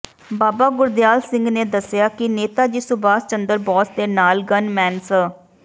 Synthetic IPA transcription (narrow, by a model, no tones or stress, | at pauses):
baːbaːɡʊɾd̪ɪjaːlsɪ̃ŋɡneːd̪əsɪjaːkɪneːt̪aːd͡ʒiːsʊbaːst͡ʃənd̪əɾbɔːsd̪eːnaːlɡənmɛːnsə